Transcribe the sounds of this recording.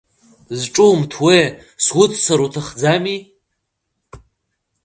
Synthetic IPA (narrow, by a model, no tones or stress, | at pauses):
zʈ͡ʂʼumtʰwe | swʊt͡sʼsaɾutʰaχd͡zami